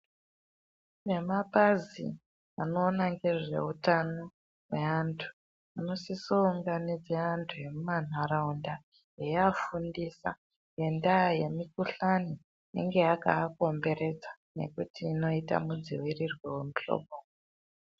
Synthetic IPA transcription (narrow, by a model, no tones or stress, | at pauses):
ne̞mapazḭ | anoːnaŋɡe̞ʐe̞̰utano | we̞antʰu̥ | ano̞sisouŋɡanid͡zeantʰuje̞mumanaɾaunda | jejafundisa̰ | je̞ndaje̞mikuɬano | nḛŋɡe̞aka̰ːko̞mbe̞ɾe̞d͡zḁ | ne̞̰kutiːno̞ita̰mud͡ziwirirwewemuɬo̞̰ːɓo